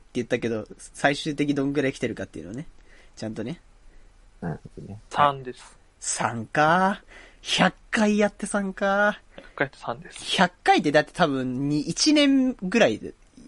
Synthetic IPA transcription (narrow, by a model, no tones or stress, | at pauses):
t̪ːe̞jɯ̟t̪ːake̞d̪o̞saiɕɨːt̪e̞kʲid̪õ̞ŋɡɯ̟ɾaikʲi̥t̪e̞ɾɯ̟kat̪ːeiɯ̟noanet͡ɕãnt̪o̞ne̞ | naɾhd̪onesãnd̪esɨ̥ | sãŋka | çakːaijat̪ːe̞sãŋka | akːait̪ːosãnd̪esçakːait̪ːed̪at̪ːe̞̥t̪ʰaβɯ̟̃ɲɲiʔːt͡ɕinẽ̞ŋɡɯ̟ɾai